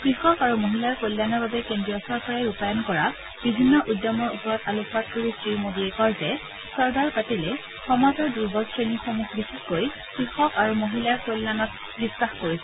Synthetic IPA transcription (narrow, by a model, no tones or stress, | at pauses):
kɹixɔkaɹumoɦilaɹkojlːanɔɹbabɛkendɹijɔsɔɹkaɹajupajɔnkɔɹa | b̥ibʱinːɔʔudjɔmɔɹupɔɹɔtaluat̚koɹisɹiɹmodiɛkɔɹzɛ | sɔɹɡaɹpatilɛ | xɔmatɔɹduɹbɔsɹenixɔmuxʰbixitkoj | kɹixɔkaɹumoɦilaɹkolːanɔt̚ | bisaxkoɹisɛ